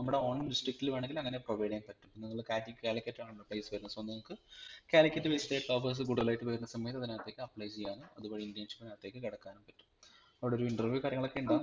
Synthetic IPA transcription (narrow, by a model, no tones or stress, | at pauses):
nɐmːuɽe̞oːɳdisʈrik̚ʈiliʋaːɳeŋɡilɐŋːɐne̞proʋɐjɖijɐnpɐtːumpinɐŋːɐɭkaːtikkʲaːlɐkʲːɐtːaːɳuɭːɐprɐjsɨʋɐɾunːɐsnːnɐmukːɨkaːlikʲːɐtːɨʋeisʈeːʈːoːfɐrs̬ɨɡuɽuɐlaːjiʈːɨʋɐɾunːɐsɐmiɐt̪ːɐðinaːt̪ːe̞ːkʲːɨɐpːɭɐjt͡ɕejːaːnɨɐðuboːɽiindjɐnʂi̥pːinaːt̪ːe̞ːkːɨkɐɽɐkːaːnumpɐtːu̥m | ɐʋiɽeoɾuiɳʈrɐrʋjuːkaːɾjɐŋːɐɭokːe̞uɳɖaː